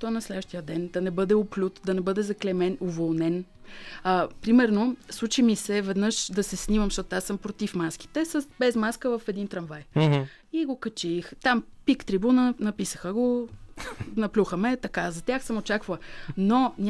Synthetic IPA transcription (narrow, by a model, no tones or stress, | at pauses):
t̪ɔnɐslɛd̪vəʃt̪ijəd̪ɛnd̪ɐnɛbɤd̪ɛoplʲut̪d̪ɐnɛbɤd̪ɛzɐklɛmɛnovolˠnɛn | əpɾimɛɾnoslˠut͡ʃimisɛvɛd̪nɤʃd̪ɐsɛsnimɐmʃt̪ɔt̪asəmpɾot̪ifmask̟i̥t̪ɛsɐsbɛzmaskəvɐfɛd̪int̪ɾɐnvajɦ | iɡokɐt͡ʃixt̪ampikt̪ɾibunənɐpisəxəɡo | nɐplʲuxəmɛt̪ɐkazɐt̪jaxsəmot͡ʃakvɐlˠnonʲ